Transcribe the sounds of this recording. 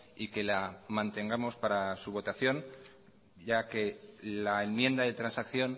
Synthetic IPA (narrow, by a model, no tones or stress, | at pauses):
ike̞lamãnt̪e̞ŋɡamo̞spaɾasuβ̞o̞t̪aθjo̞n | ʝake̞laenmjẽ̞nd̪aðe̞t̪ɾansakθjo̞n